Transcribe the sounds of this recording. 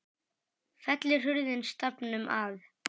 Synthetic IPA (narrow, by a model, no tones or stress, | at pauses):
fɛt̪lɪr̥ʏɾðɪnst̪apnʏmʔa̰ð